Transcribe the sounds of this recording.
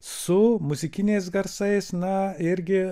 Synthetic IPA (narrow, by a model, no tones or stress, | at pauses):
sʊmʊzʲɪkʲɪnʲeːs̬ɡɐɾsɐɪsnɐɪɾʲɡʲɪ